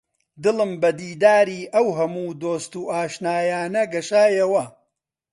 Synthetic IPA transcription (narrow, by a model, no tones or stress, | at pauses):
d̪ɨlɨmbɐd̪iːd̪aːɾiːʔɐwɦɐmuːd̪oːst̪uːʔaːʃnaːjaːnɐɡɐʃaːjɐwɐ